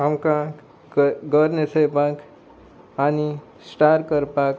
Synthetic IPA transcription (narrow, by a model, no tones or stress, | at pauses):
ɦamkã | ɡʌɾnesʰʌjpãk | ani | sʈaɾkʌɾpak